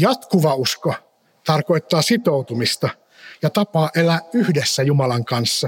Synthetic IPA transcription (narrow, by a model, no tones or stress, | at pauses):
jɑt̪kuʋɑusko | t̪ɑrko̞jt̪ːɑːsit̪out̪umist̪ɑ | jɑt̪ɑpɑːʔelæːyhdesːæjumɑlɑŋkɑnsːɑ